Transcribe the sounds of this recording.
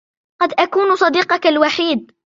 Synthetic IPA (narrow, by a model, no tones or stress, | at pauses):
qɑd̪ʔakuːnsˤɑd̪iːqɑkalwaħiːd̪̚